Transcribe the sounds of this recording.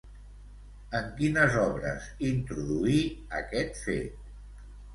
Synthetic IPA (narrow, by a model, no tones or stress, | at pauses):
əŋkinəzɔβɾə̰zint̪ɾuðuiəkɛt̪fḛt̪